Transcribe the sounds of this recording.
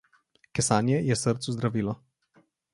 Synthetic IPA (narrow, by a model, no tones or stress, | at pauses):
kɛsaːnjɛjɛsəɾt̪suzd̪ɾaviːlɔ